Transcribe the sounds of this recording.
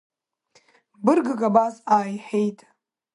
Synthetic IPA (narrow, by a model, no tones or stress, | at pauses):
bɨrɡɨkʼabazaːjħejtʼ